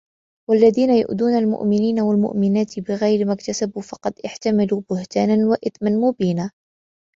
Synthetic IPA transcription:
walːaðiːnajʊ̰ʔd̪uːnalmʊ̰ʔmɪniːnawalmʊ̰ʔmɪnaːt̪ɪbɪɣajɾɪmakt̪asabuːfɑqɑd̪ʔɪħt̪amaluːbʊht̪aːnanwaʔɪt̪manmʊbiːnaː

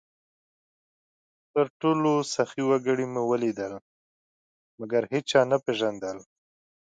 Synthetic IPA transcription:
t̪əɾʈolosaxiwaɡəɽimewəlid̪əl | maɡaɾhet͡ʃɑnapeʒand̪əl

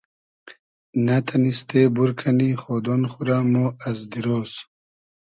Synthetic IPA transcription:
nat̪ʰanist̪ebuɾkʰanixod̪onxuɾamoɐzd̪iɾoːs

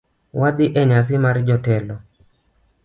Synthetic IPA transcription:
wad̪ɪʔɛɲas̬ɪmaɾd͡ʒɔtɛlɔ

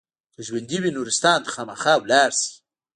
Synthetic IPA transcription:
kəʒwand̪iwinuɾɪst̪ɑːnt̪ḁxɑːmaxɑwlɑɾsi̥

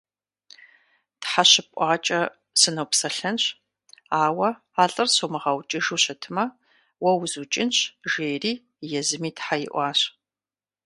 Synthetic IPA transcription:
tħaɕɪpʷʼɑːt͡ʃʼɐ | sɨnɐwpsɐɬɐnɕ | aːwɐ | aːɬʼɨrsomɨʁɐwt͡ʃʼiʒuːɕɐtʰɨmɐ | wɐwzut͡ʃʼɪnɕʒeːjriː | jɛzɨmiːtħajɪ̰ʔʷɑːɕ

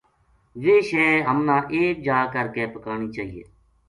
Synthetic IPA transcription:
ʋeːʃeːɦəmnãːʔeːk̚d͡ʒaːkəɾkeːpəkaːɳiːt͡ʃaːɦiːḛː

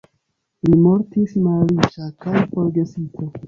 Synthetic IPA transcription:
limo̞ɾtismaɾit͡ʃakajfo̞ɾɡe̞sitʰo

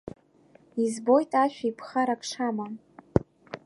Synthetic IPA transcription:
izbo̞jtʼaʃᶣaipʰχaɾakʰʂama

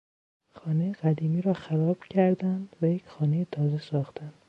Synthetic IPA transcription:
xɒːnejeɡæd̪iːmiːɾɒːxæɾɒːb̥cʰæɾd̪ænd̪væjecxɒːnejet̪ʰɒːze̞sɒːxt̪ænd̪

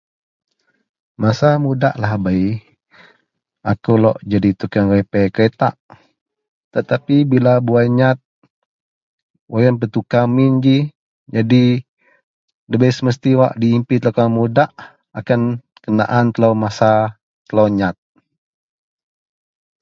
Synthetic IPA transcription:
masamuda̰ʔlahbai | akulɔ̰ʔd͡ʒadit̪ukanwapɛkəɾet̪a̰ʔ | t̪ət̪apibilabuajɲat̪̚ | wʔajanpət̪ukamind͡ʒi | d͡ʒadi | dəbajsəməst̪iwa̰ʔdiːmpit̪lokamudaʔ | akan | kəna̰ʔant̪əlawmasa | t̪əloɲat̪̚

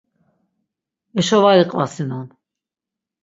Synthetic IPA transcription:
ɛʃɔvaɾiqʼvasinun

